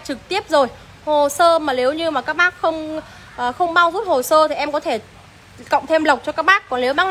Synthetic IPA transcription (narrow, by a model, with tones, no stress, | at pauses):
t͡ɕɨ˨˩k̚t̪i˦˥əp̚zo˨˩j | ho˨˩səː˧maː˨˩le˨˦wɲɨ˧maː˨˩kaː˦˥k̚ɓaː˦˥k̚xə˧wŋ͡m | ʔəː˨˩xə˧wŋ͡mɓaː˧wzu˦˥t̚ho˨˩səː˧t̪ʰi˨˩ʔɛ˧mkɔ˨˦t̪ʰe˧˩ | kə̰˧˨wŋ͡mt̪ʰe˧mlə˨˩wk͡p̚t͡ɕɔ˧kaː˦˥k̚ɓaː˦˥kːɔ˨˩nle˨˦wɓaː˦˥